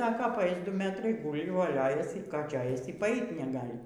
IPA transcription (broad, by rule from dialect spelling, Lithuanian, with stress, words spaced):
ˈsɑːkoː pɐˈɐɪs ˈdʊ ˈmʲæːtrɐɪ ˈɡuːlʲɪ ʋoːˈlʲoːjɛsʲɪ ˈkɑː ˈt͡ʃʲɛ ˈɐɪsʲɪ iː pɐˈɐɪt nʲɛˈɡɑːlʲɪ